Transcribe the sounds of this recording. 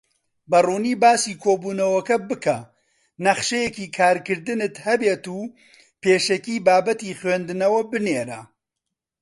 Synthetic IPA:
bɐruːniːbaːsiːkʰoːbuːnɐwɐkɐbɨkʰɐ | nɐχʃejekiːkʰaːɾkɨɾd̪ɨnɨt̪hɐbeːt̪uː | peːʃɐkiːbaːbɐt̪iːχwend̪ɨnɐwɐbɨneːɾɐ̰

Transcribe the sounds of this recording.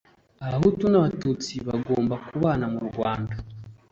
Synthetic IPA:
aβaɦutunaβatut͡siβaɡoːmbakuβaːnamuɾɡwaːnda

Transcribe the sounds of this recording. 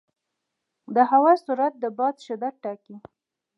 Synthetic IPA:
d̪əɦawɑsuɾat̪̚d̪əbɑd̪ʃɪd̪at̪̚ʈɑki

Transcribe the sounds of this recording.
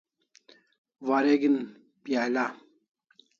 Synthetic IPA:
ʋaɾeɡin | pijala

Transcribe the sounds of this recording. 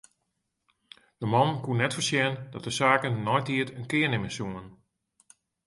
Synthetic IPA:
d̥əmɔnkunɛtfəsjɛndɔt̚dəsaːkənːɔjtʰiətənkɪərnɪmənsuːən

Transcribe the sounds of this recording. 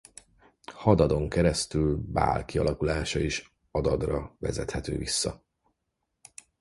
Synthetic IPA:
hɒd̪ɒd̪o̞ŋkɛɾɛst̪ylba̰ːlkiɒlʔɒkulaːʃɒiʃ | ɒd̪ɒd̪rɒvɛzɛt̪hɛt̪ø̰ːvisːɒ

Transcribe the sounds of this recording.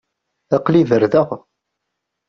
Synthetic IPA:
ɑqliðəɾðəʁ

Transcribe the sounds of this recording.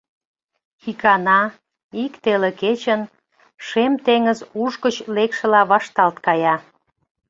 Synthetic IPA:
xikɑnɑ | ikt̪eleket͡ɕən | ʃemt̪eŋəzuʃkət͡ɕlekʃĕlɑβɑʃt̪ɑlt̪kɑjɑ

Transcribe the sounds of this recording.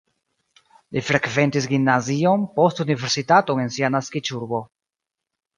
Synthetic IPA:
lifɾekve̞ntis̬ɡinːazio̞npo̞stunive̞ɾsitato̞ŋe̞nsianaskit͡ʃuɾbo̞

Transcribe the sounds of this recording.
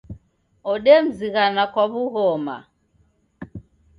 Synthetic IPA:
ɔɗɛm̩ziɣanakwaβuɣɔma̰

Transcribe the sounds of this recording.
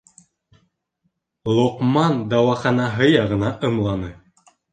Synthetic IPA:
lˠoqmɑnd̪ɑwɑχɑnɑɦɤjɑʁɤ̆nɑʔɤ̆mlˠɑnɤ

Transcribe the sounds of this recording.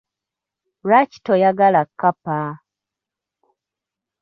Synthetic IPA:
ɾaci̥tojaɡalakːapa

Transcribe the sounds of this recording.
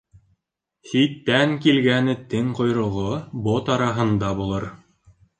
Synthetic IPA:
sit̪ːæŋkilɡænɘt̪ɘŋqŏjɾŏʁobot̪ɑɾɑɦɤ̆nd̪ɑbulˠɤɾ

